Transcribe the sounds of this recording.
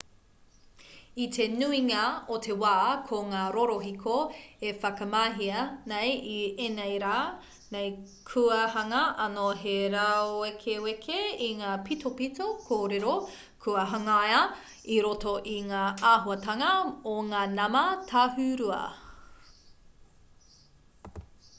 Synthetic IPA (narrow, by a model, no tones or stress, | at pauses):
itʰenuiŋaotʰewaːkʰoŋaːɾoɾoɦikʰoefɐkɐmaːɦiɐnejienejɾaː | nej | kʰuɐhɐŋɐʔɐnoɦeɾaoekʰewekʰeiŋaːpitopitokʰoːɾeɾo | kʰuɐɦɐŋjɐ | iɾotoʔiŋaːaːɦuɐtɐŋɐoŋaːnɐmɐtʰaɦʉɾuɐ̰